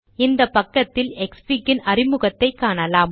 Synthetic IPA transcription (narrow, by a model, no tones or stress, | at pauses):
ɪnd̪ɐpːɐkːɐt̪ːɪlɛkspɪkːɪnɐrɪmʊɣɐt̪ːɐɪkːaːnɐlaːm